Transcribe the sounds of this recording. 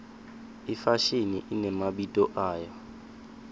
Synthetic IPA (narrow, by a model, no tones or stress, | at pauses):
ifaʃinḭʔinɛmaɓitʼɔʔaːjɔ